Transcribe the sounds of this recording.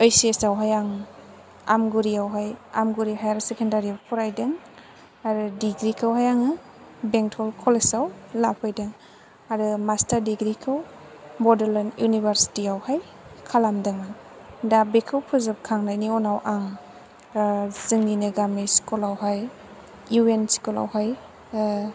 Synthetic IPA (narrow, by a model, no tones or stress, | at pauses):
ɔjsiesawɦajaŋ | a̰mɡuɾiawɦajamɡuɾiɦajaɾusekʰendaɾiawpʰuɾajdɯŋ | aɾɯdiɡɾikʰɯwɦajaŋɯ | beŋtʰɔlkʰɔlesawlapʰɯjdɯŋ | aɾɯmastaɾdiɡɾikʰɯw | mɔdalanjunibaɾsi̥tiawhaj | kʰalamdɯŋɯ | dabekʰɯwpʰɯzɯp̚kʰaŋnajniɔnawʔaŋ | zɯŋninɯɡamiskulawɦaj | juenskula̰wɦaj